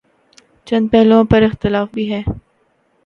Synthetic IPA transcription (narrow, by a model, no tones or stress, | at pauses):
t͡ʃɐ̃nd̪̚pɛɦlõpɐɾɪxt̪ɪlaːfbʱiːɦɛː